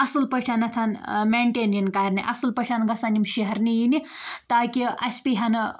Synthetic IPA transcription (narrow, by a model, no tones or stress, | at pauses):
ɐsɨlpɐʈʲʰanɐt̪ʰanmeːɳʈeːnjɐnkaːɾʲniʔɐ̰sɨlpɐʈʰʲanɡɐsanimʃiɦɐɾnijini | t̪aːkiɐsʲpiɦɐnɨ